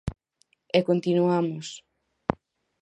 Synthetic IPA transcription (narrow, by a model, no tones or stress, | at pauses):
ɛkont̪inuamos